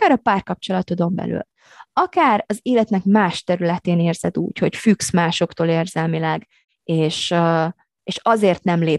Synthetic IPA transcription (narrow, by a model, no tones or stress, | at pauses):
aːɾɒpaːrkɒp̚t͡ʃo̞lɒt̪od̪o̞mbɛ̰ly̰l | ɒkaːɾɒzeːlɛt̪nɛkmaːʃt̪ɛɾylɛt̪eːneːrz̥ɛd̪ṵːcho̞cfyksmaːʃo̞kt̪oːleːrzɛlmilɛɡ | eːʃ | eːʃɒzeːrt̪nɛmleː